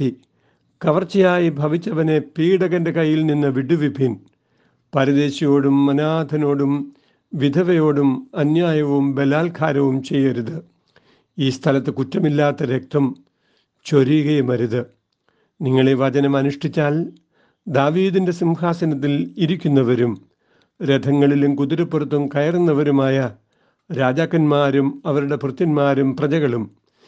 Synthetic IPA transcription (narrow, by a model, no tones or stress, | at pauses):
i | kɐʋɐrt͡ɕːɐjaːjibʱɐʋit͡ɕːɐʋɐne̞piːɽɐɣɐndekɐjːilninːɨʋiɽuʋibʱin | pɐɾɐðe̞ːɕɐjo̞ːɽumːɐnaːd̪ʱɐno̞ːɽum | ʋid̪ʱɐʋɐjo̞ːɽumɐnjaːjɐʋumbe̞laːlkʰaːɾɐʋumt͡ɕe̞jːɐɐɾuðɨ | iːst̪ʰɐlɐt̪ːɨkutːɐmilːaːt̪ːɐɾe̞k̚t̪ʰɐm | t͡ɕo̞ɾijɣɐjumɐɾuðɨ | niŋːɐɭeʋɐd͡ʑɐnɐmɐnuʂʈit͡ɕːaːl | d̪aːʋiːðinde̞simhaːsɐnɐt̪̬ːiliɾikʲːunːɐʋɐɾum | ɾed̪ʱɐŋːɐɭilumkud̪iɾɐpːurɐt̪ːumkɐjɐrunːɐʋɐɾumaːjɐ | ɾaːd͡ʑaːkːɐnmaːɾumɐʋɐɾuɽe̞prɨt̪ːɐnmaːɾumprɐt͡ɕɐɣɐɭum